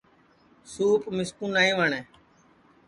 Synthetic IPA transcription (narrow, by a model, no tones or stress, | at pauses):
suːpmɪskuːnaːĩːʋəɳɛː